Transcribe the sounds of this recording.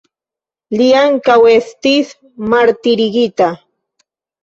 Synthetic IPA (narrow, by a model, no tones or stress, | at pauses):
liaŋkawest̪is | maɾt̪ɪɾɢɪt̪a